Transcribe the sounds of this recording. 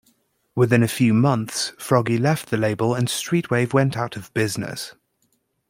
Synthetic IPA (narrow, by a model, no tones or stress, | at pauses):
wɪðɪ̃nəfjʉːmʌ̃nθsfɹɒɡilɛfʔðəleɪbələ̃nstɹ̥iˑʔweɪvwɛ̃ntaʊtʰəvbɪznɪ̰s